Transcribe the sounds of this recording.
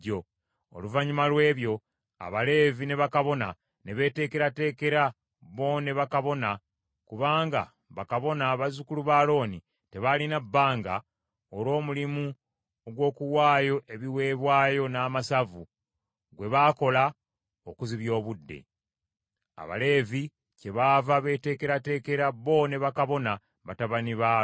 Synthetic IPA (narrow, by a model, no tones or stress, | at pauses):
o | o̰luvaɲumalwe̞ːβjo̞ | a̰βale̞ːvine̞βakaβo̞na | ne̞βe̞ːte̞ːke̞ɾate̞ːke̞ɾa | βo̞neβakaβo̞na | kuβaːŋɡa̰ | βakaβo̞naːβazukuluβaːlo̞ːni | te̞βalinabːaːŋɡa̰ | oɾo̞ːmulimu | oɡwo̞ːkuwaːjo̞ʔe̞βiwe̞ːβwaːjo̞naːmasavu | ɡwe̞βaːko̞la | okuziβjo̞ːβudːe̞̰ | a̰βa̰le̞ːvi | ce̞βaːvaβe̞te̞ːke̞ɾate̞ːke̞ɾaβo̞ːne̞βakaβo̞na | βataβaniβa